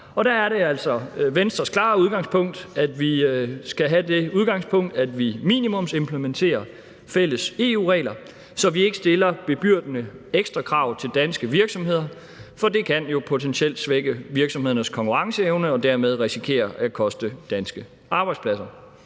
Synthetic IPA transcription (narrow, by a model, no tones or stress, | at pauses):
ɒ̽d̥æːɐɾe̝æl̰sɒ̽ʋensd̥ʁɐskʰlɑ̰̈ːuð̞ˠɡ̥ɑ̈ŋspʰɔ̽ŋ̰d̥æd̥ʋisɡ̥æɦæde̝uð̞ˠɡ̥ɑ̈ŋspʰɔ̽ŋ̰d̥æd̥ʋimḭːnimɔ̽mse̝mpʰləment͡sʰe̝̰ːɐ | fel̰əse̝ːṵːʁɛ̰ːlɐ | sɒ̽ʋie̝ɡ̥əsd̥e̝lɐb̥e̝b̥yɐ̰d̥nəeɡ̥sd̥ʁɐkʰʁɑ̈ʊ̰t͡sʰe̝ld̥ænsɡ̥əʋiɐɡ̥sɒ̽mɦe̝ð̰ˠɐ | fɒ̽d̥e̝kʰænjo̝pʰo̝t͡sʰensʰiel̰d̥sʋeɡ̥əʋiɐɡ̥sɒ̽mhe̝ðˠɐnəskʰɒ̽ŋkʰuʁɑ̈ŋsəeʊnəɒ̽d̥æɐmeð̞ˠʁisikʰe̝̰ːɐʔækʰɒ̽sd̥əd̥ænsɡ̥ə | ʔɑ̈ːb̥ɑ̈ɪd̥spʰlæsɐ